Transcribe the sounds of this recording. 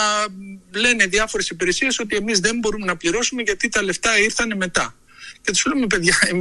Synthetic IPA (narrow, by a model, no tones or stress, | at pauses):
le̞ne̞ðiɐfo̞ɾe̞sipiɾe̞sie̞so̞t̪ie̞mizðe̞mbo̞ɾumenɐpliɾo̞sume̞ʝɐt̪it̪ɐle̞ft̪ɐiɾθɐne̞me̞t̪ɐ | cet̪i̥sleumep̬e̞ðʝɐem